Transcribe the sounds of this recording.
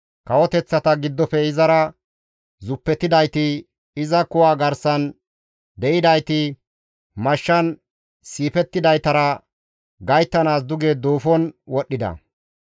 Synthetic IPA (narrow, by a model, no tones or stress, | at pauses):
kɐwɔt̪ɛt͡sːɐt̪ɐɡɪd̪ːɔpɛɪzɐɾɐ | zʊpːɛt̪ːɪd̪ɐjt̪ɪ | ɪzɐkʊwaːɡɐɾsɐn | d̪ɛʔɪd̪ɐjt̪ɪ | mɐʃːɐn | siːpɛt̪ːɪd̪ɐjt̪ɐɾɐ | ɡɐjt̪ːɐnaːs̬d̪ʊɡeːd̪oːfɔnwɔɗːɪd̪ɐ̰